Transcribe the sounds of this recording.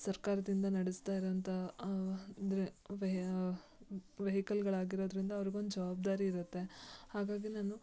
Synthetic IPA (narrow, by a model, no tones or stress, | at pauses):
sɐɾkaːɾɐd̪ind̪ɐnɐɽist̪aːjiɾoʋɐnt̪ʰɐ | d̪ɾeʋ | ʋeɦikɐlɡɐɭaːɡiɾoːd̪ɾind̪ɐːʋɐɾiɡe̞ond̪ud͡ʒɐʋaːb̚d̪aːɾiːɾut̪ːe̞haːɡaːɡinaːnu